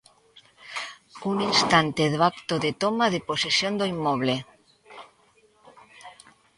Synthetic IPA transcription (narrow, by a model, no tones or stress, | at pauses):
uninst̪ant̪eðoakt̪oðet̪omaðeposesjond̪oimːoβ̞le